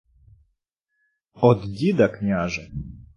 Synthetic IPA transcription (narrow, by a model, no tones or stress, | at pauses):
ɔd̪dʲid̪ɐknʲaʒɛ